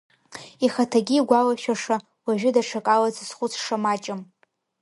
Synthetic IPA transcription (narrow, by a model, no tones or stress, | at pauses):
iχatʰaɡʲiːɡʷalaʃᶣaʂa | waʒᶣʊdaʈ͡ʂʰakʼalazsχʷʊt͡sʰʂamat͡ʃʼɪm